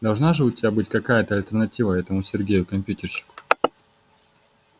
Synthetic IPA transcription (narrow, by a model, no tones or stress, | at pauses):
d̪ɐlˠʐnaʐɨʊtʲɪbʲabɨtʲkɐkajət̪əɐlʲt̪ʲərnɐtʲivəɛt̪əmʊsʲɪrɡʲejʊkɐmʲpʲjutʲɪrɕɪ̥kʊ̥